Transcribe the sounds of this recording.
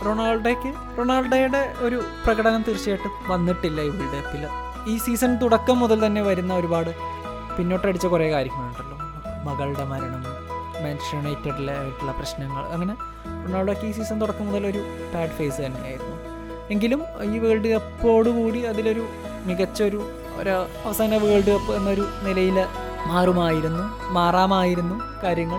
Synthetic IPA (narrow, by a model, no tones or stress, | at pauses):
roɳaːɭɖekːɨ | roɳaːɭɖejuɽe̞o̞ɾuprɐɣɐɽɐnɐmt̪iɾit͡ɕːijajiʈːɨ | ʋɐnːiʈːilːɐiʋiɽiðet̪ːil | iːsiːsɐnt̪uɽɐkːɐmːuðɐlt̪ɐnːe̞ʋɐɾunːɐo̞ɾubaːɽɨ | pinːo̞ːʈːɐɽit͡ɕːɐkure̞ːkaːɾjɐɐmaːjiʈːɐlːu | mɐɣɐɭɽe̞mɐɾɐɳɐŋːɐɭmeːnʂɐnejtːiɽilːɐʋiʈːilɭːɐprɐɕnɐŋːɐ̰ɭɐŋːɐne̞ | pinːaːɭkːiːs̬iːsɐnt̪uɽɐkːɐmuðɐlo̞ɾu | baːɖɨfe̞ːsɨt̪ɐnːeja̰ːjiɾunːu | e̞ŋɡilumiːʋɣɐɭɖɨepːo̞ːɽukuːɽiɐðilo̞ɾu | miɣɐt͡ɕːɐoɾu | o̰ɾ | ɐʋɐsaːnɐʋɨɣɐɭɖɨpːenːɐo̞ɾunilɐjil | maːrumaːjiɾunːu | maːraːmaːjiɾunːukaːɾjɐŋːɐɭ